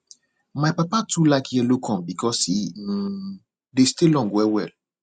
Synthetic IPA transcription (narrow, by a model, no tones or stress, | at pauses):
maɪpapatʰulaɪkjɛlokʰɔ̃mbikʰɔsi | destilɔ̃ŋɡwɛwɛl